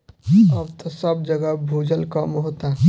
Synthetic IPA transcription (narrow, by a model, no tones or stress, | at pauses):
əbt̪osəb̚d͡ʒəɡəbʱuːd͡ʒəlkəmɦoːt̪a